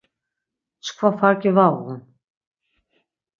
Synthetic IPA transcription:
skʰvafaɾcɪvawun

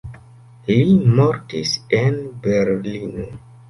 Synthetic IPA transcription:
limoɾtisenbeɾlino

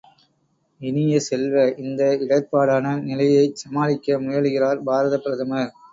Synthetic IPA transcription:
ɪnɪjɐsɛlʋɐʔɪnd̪ɐɪɽɐɪpːaːɽaːnɐnɪlɐjɐɪsɐmaːlɪkːɐmʊjɐɭɯɣɪraːɾbʱaːɾɐðɐpːɪɾɐt̪ʰɐmɐ

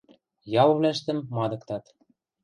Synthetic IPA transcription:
jɑlβlæʃt̪ə̆mːɑd̪ɤ̆kt̪ɑt̪

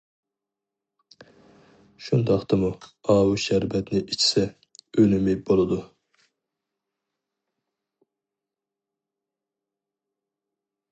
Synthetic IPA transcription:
ʃund̪ɑqt̪ɨmuɑːwuʃɛɾbɛt̪nɪʔit͡ʃʰɪ̥sɛ | ønɪmɛjbolˠɨd̪u

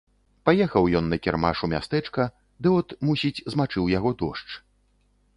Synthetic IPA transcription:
pajɛxɐwjɔnːɐkʲɛrma̰ʂumʲa̰st̪ɛt͡ʂkɐ | d̪ɨɔt̪musʲit͡sʲzmat͡ʂɨwjaɣɔd̪ɔʂt͡ʂ

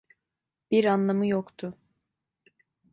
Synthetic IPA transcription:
b̥iɾanlˠamɯjokt̪ʰʊ

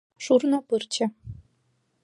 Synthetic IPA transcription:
ʂurnɤ̆pɯrt͡ɕɘ̆

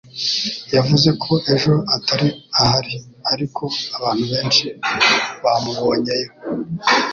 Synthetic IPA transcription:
javuze̞kʰo̞ʔe̞ʒo̞ataɾiahaɾiaɾikʰo̞aβaːn̥huβe̞ːnʃi | βamuɡoːɲejo

